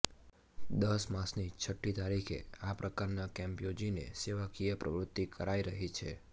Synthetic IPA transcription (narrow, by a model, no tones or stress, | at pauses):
d̪əsmasnit͡ʃʰəʈʰːit̪aɾikʰḛapɾʔəkaɾnakɛ̃mpjod͡ʒinḛseʋakijəpɾə̰ʋɾʊt̪ːikəɾaiɾəɦit͡ʃʰḛ